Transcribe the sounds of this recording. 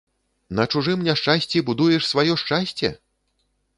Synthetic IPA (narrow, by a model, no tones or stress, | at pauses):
nɐt͡ʂuʐɨmnʲaʂt͡ʂasʲt͡sʲibud̪ujɛʂsvajɔʂt͡ʂasʲt͡sʲɛ̰